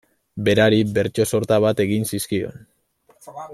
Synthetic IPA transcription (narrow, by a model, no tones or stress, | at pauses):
be̞ɾaɾibe̞ɾt͡ʃo̞so̞ɾt̪aβ̞at̪e̞ɣinsiskio̞̰n